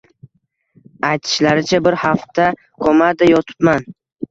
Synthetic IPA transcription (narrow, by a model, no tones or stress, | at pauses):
ajt̪ʰɪ̥ʃlaɾɪt͡ʃʰabɪɾhaft̪ʰa | kʰomad̪ɪjɒt̪ʰɪ̥pman